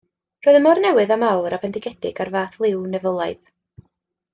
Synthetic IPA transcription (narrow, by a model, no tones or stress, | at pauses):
rɔɨðəmɔrnɛwɨðamawɾapʰɛndɪɡɛdɪ̰ɡarvaːθlˠɪwnɛvəlˠajð